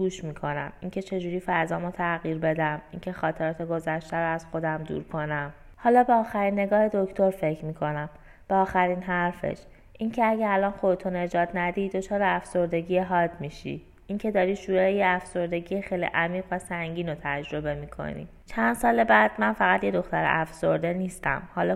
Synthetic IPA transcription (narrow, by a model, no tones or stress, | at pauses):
ɡuːʃmiːkʰo̞næ̰miŋcʰe̞t͡ʃʰe̞d͡ʒuːɾiːfæɾzɒːmot̪ʰæɣiːɾbe̞d̪æmincʰe̞xɒːt̪ʰe̞ɾɒːt̪ʰeɡo̞zæʃt̪æɾoæz̥xo̞d̪æmd̪ṵːɾkʰo̞næm | hɒːlɒːbeɒːxæɾiːnːe̞ɡɒːhe̞d̪o̞cʰt̪ʰo̞ɾfe̞cʰmiːkʰo̞næm | b̥eɒːxæɾiːnɦæɾfḛʃ | ʔincʰeæɟeælɒːnxo̞d̪et̪ʰune̞d͡ʒɒːd̪næd̪iːd̪o̞t͡ʃʰɒːɾeæfso̞ɾd̪e̞ɟijeɦɒːd̪miːʃḭ | iŋcʰe̞d̪ɒːɾiːʃuːɾɛejeæfso̞ɾd̪e̞ɟijexejlḭʔæmiːɣvæsæŋɟiːnot̪ʰæd͡ʒɾo̞be̞miːkʰo̞̰nḭ | t͡ʃʰænd̪̥sɒːle̞bæːd̪̚mænfæɣæt̪je̞d̪o̞xt̪æɾḛʔæfso̞ɾd̪e̞niːst̪æ̰mhɒːlɒ